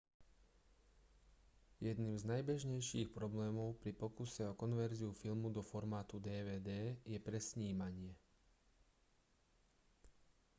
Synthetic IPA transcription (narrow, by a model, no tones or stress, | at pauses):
jɛd̪niːmznajbɛʒɲɛjʃiːxpɾɔblɛːmɔʊpɾipɔkusɛɔkɔnʋɛɾziufilmud̪ɔfɔɾmaːt̪ud̪ɛːʋɛːd̪ɛːjɛpɾɛsɲiːmaɲɪɛ